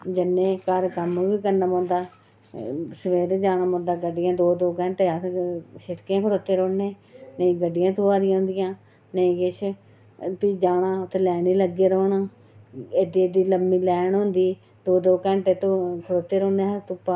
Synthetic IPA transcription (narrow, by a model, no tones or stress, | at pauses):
d͡ʒɪnːẽːkəɾkəmʋiːkənamõːnd̪aː | səʋeːɾd͡ʒaːnaːmõːnd̪aːɡəɖːɪjãːd̪oːd̪oːkɛ̃ːɳʈeat̪ʃɪɾkjãːkʰəɽoːt̪ːeːɾoːnːeː | nəĩːɡəɖːɪjãːt̪ʰoːaːɾɪjãːɦʊ̃nd̪ɪjãː | nəĩːɡɪt͡ʃʰ | piːd͡ʒaːnãːʊt̪ʰeːlɛːniːləɡːeɾoːnaː | eːd̪iːed̪iːləmːiːlɛːɳɦʊ̃nd̪iː | d̪oːd̪oːkɛ̃ːɳʈeːt̪õːkʰəɽoːt̪ːeːɾõːnẽːɦəɾt̪upːaː